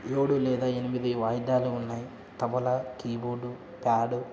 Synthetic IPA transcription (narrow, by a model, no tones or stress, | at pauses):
eːɽulɛːd̪aːenimid̪iʋaːjd̪aːluːnːaːji | t̪ɐʋɐlakiːboːɖu | paːɽu